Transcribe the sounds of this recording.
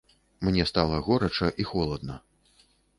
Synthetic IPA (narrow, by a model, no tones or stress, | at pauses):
mnʲɛst̪alˠɐɣɔɾɐt͡ʂɐʔixɔlˠɐd̪̚nɐ